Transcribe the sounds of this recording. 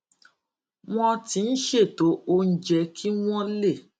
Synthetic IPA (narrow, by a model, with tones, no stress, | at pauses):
w̃ɔ̃˦ti˧n̩˦ʃe˦˨to˨˦o˧n̩˦d͡ʒɛ˧kʰi˦w̃ɔ̃˦le˦˨